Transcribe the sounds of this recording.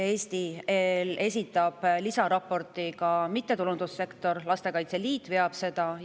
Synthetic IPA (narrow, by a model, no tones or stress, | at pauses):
e̞ːst̪iele̞sʲit̪ːˑɑb̥lisɑɾɑpːˑo̞rt̪ˑikɑmit̪ːe̞t̪ulund̪̥usːe̞kt̪ˑo̞rlɑst̪e̞kɑjt̪se̞liːt̪ːˑve̞ɑb̥se̞d̪̥ɑ